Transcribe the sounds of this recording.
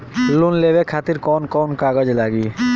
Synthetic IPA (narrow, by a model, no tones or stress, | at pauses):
lunlebekʰat̪iɾkɔnkɔnkaɡod͡ʑelaɡi